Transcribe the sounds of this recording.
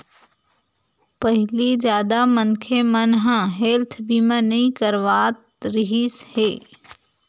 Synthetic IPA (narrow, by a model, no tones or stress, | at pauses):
pəɦlid͡ʒjaːd̪amənkʰemənɦãɦeːlt̪ʰbiːmãnɐĩkəɾʋaːt̪ | ɾɪɦisheː